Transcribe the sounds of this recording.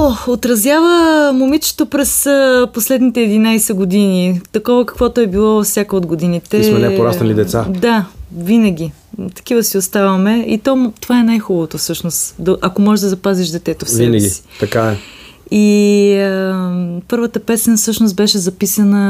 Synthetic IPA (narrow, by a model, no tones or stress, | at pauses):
oot̪ɾɐzjavəmomit͡ʃo̥t̪opɾɛsəposlɛd̪nit̪ɛːd̪inajsɛɡod̪init̪ɐkɔvəkɐ̥kvɔt̪oɛbilˠɔfsʲjakəod̪ɡod̪init̪ɛmɛnɛpoɾasɐlid̪ɛt̪sad̪avinəɡ̟ʲi | t̪ɐ̥k̟ʲivəsiost̪avɐmɛit̪ɔt̪ovaɛnajxubəvot̪ofsɤʃnost̪d̪ɐʔɐkomɔʒɛʒd̪ɐzɐpaziʃd̪ɛt̪ɛt̪ofsvinəɡɡʲisi̥t̪ɐkaɛ | iəpɤɾvət̪əpɛsɛnəfsɤʃnosbɛʃɛzɐpisənə